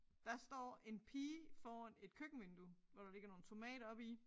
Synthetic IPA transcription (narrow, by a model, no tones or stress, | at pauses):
d̥ɑ̈sd̥ɒ̰ːe̝npʰiːfɒːæne̝d̥kʰøɡ̥n̩ʋe̝nd̥uʋɒɾ̥ɑ̈le̝ɡ̥ɐno̝ːn̩t͡sʰo̝mɛ̰ːɾɐɒ̽b̥i